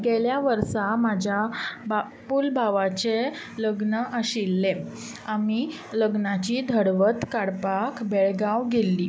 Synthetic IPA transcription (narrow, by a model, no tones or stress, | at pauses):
ɡeljaʋəɾsamad͡ʑʱjaba | pulbʱaʋat͡ɕe | ləɡnəʔəɕilːe | ami | ləɡnat͡ɕiːd̪ʱəɽʋət̪kaɽpakbeɭɡawɡelːiː